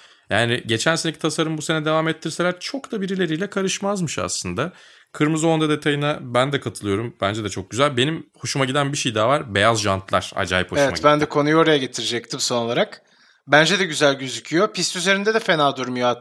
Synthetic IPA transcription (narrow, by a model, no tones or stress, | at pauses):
jaːnɪɟe̞t͡ʃʰænseecʰi̥t̪ʰasaɾɯmbuse̞nɛd̪e̞vaːmɛt̪ʰːiɾse̞lʲæɾt͡ʃʰo̞kt̪abiɾilʲe̞ɾijlʲɛkʰaɾɯʃmazmɯʃa̰slˠɯnd̪a | kʰɯɾmɯzo̞nd̪ad̪e̞t̪ʰajɯnabænd̪ɛkʰat̪ʰɯlˠɯjo̞ɾumbænd͡ʒed̪ɛt͡ʃʰok̚ɟyzælʲbe̞nimho̞ʃumaɟid̪ænbiʃejd̪aːvaɾbe̞jazʒant̪ʰlˠa̰ɾ̥a̰d͡ʒa̰ːjiphoevɛtma̰ɟbænd̪ɛkʰo̞nujo̞ːɾajaɟe̞t̪ʰiɾid͡ʒɛc̚t̪ʰimso̞nolˠaɾak | bænd͡ʒɛd̪ɛɟyzælʲɟyzycʰyjo̞pʰist̪yze̞ɾind̪ɛd̪ɛfe̞naːd̪uɾmjoa